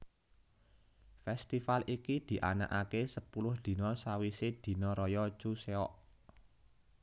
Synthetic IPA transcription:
fɛst̪ifalʔikid̪̥i̤ʔa̰na̰ʔakesəpulʊhd̪̥i̤nɔsawised̪̥i̤nɔɾɔjɔt͡ʃuseɔʔ

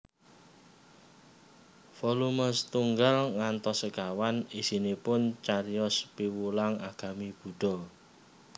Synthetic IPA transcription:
fɔluməst̪uŋɡalŋant̪ɔsəkawanisinipʊnt͡ʃaɾijɔspiwulaŋaɡ̥a̤mib̥ṳɖ̥ɔ̤

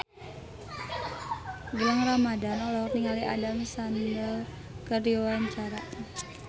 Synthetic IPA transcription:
ɡələŋramadanɔlɔkniŋaliʔa̰damsandəl | kərjowaɲt͡ʃaɾa

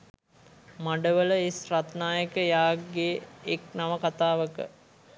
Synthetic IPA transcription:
maɖəʋələesrat̪naːjəkəjaːɡeːknaʋəkat̪aːʋəkə̰

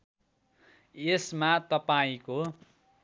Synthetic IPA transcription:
esmat̪ʌpaĩko

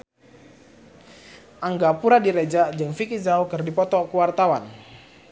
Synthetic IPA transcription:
ʔaŋɡapuɾadiɾed͡ʒad͡ʒɨŋfikizawkɨrdipɔt̪ɔkuwart̪awan

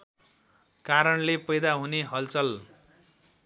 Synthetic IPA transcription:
kaɾʌnlepʌjd̪aɦuneɦʌlt͡sʌl

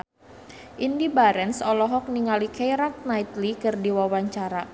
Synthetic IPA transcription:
ʔindibaɾɛnsɔlɔɦɔk̚niŋalikɛjɾak̪̚nait̪likɨrdiwawaɲt͡ʃaɾa

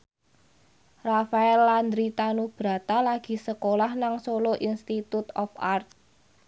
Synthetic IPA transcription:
rafaɛlːand̪ɾit̪anub̥ɾa̤t̪alaɡ̥i̤səkolahnaŋsoloʔinst̪it̪ut̪ɔ̰fart̪̚

